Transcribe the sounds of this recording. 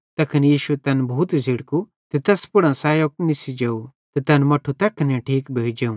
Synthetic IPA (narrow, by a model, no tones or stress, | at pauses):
t̪ɐkʰɐnjiːʃut̪ɐnbʱuːt̪ziɽku | t̪it̪ɐspʊɽɐ̃ːsaːjok̚nisid͡ʒɐu | t̪it̪ɐnmɐʈʰut̪ɐkʰnẽʈʰiːkbʱeːid͡ʒeũ